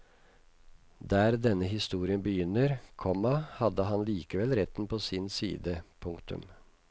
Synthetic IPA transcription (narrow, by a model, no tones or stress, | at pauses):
d̪æːɾd̪ɛnːəɦɪst̪uːɾɪənbəjʏnːəɾkʰɔmɑhɑd̪əɦɑnliːkəʋɛlɾɛt̪npʰoːsɪnsiːd̪əpʰʊŋkt̪ʰʉ̰m